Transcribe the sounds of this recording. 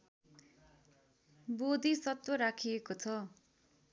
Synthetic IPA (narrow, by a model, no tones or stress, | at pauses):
bod̪isʌt̪woɾakʰiekot͡sʰʌ